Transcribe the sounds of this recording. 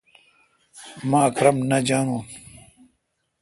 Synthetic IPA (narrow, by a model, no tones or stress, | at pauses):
mãːɐkɾɐmnɐd͡ʑaːŋũː